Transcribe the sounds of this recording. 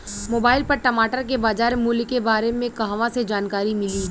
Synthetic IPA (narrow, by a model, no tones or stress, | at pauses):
moːbaːɪlpɐɾʈɐmaːʈəɾk̬ebaːd͡ʒaːɾmuːlkebaːɾemẽkɐɦaʋãsed͡ʒaːnkaːɾimɪliː